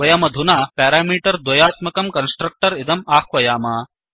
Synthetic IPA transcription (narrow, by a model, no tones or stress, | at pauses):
ʋɐjɐmɐd̪ʱunaːpaːɾaːmiːʈɐɾd̪wɐjaːt̪mɐkɐmkɐnsʈɾɐk̚ʈɐɾɪd̪ɐmaːxʰʋɐjaːmaː